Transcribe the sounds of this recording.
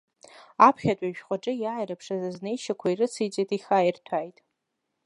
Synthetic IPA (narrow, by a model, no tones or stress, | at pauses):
apʰχʲatʷʼaʒᶣχʷaʈ͡ʂʼɨjaajɾapʰʂazaznejʃakʷʰairɨt͡sʰɨjt͡sʼejtʼiχʲajirtʰajtʼ